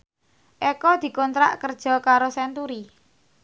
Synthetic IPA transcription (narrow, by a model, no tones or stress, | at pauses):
ʔɛkɔd̪̥i̤kɔnt̪ɾa̰ʔkərd̥ʒ̥ɔ̤kaɾosɛnt̪uɾi